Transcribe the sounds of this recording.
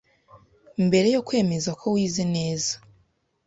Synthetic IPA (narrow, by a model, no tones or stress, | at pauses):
imbe̞ɾe̞jo̞kwe̞ːme̞zakʰo̞wiːzine̞ːzḁ